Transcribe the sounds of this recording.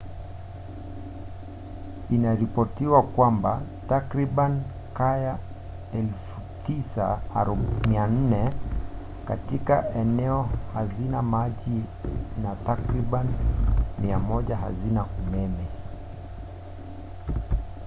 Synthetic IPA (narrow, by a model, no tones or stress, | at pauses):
inaɾipɔtiwakwamba | takɾiɓani | kaja | ɛlfu | tisaɾɔmian̩nɛ | katikaɛnɛɔhazinamaʄi | natakɾiɓanimiamɔʄaɦa̰zinaumɛmɛ